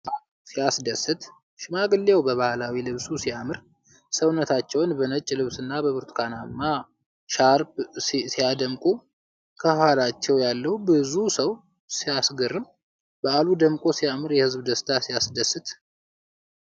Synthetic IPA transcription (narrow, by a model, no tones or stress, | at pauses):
sijasd̪əsɨt̪ | ʃɪmaɡɨlːewbəβahalawilɨβsusijamɨɾ | səwnːət̪ʰat͡ʃːɛwnbənət͡ʃʼːlɨβsɨnːabəβɨɾt̪ʰkʰanamːa | ʃaɾbsijad̪əmkʼu | kʰəhhalat͡ʃːɛwjalːəwubɨzusəw | sijasɡɨɾːɨm | b̥əalud̪əmkʼo̞sijamɨɾjɛhɨzbd̪əst̪ʰasijasd̪əsɨt̪